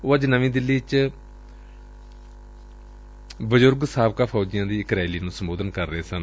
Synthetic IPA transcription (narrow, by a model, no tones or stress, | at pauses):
oːəd͡ʒnəʋĩːd̪ɪlːiːt͡ʃ | bəzʊɾɡsaːb̚kaːpʰɔːd͡ʒɪjãːd̪iːɪkɾaːɪliːnũːsəmboːd̪ənkəɾːəɦeːsən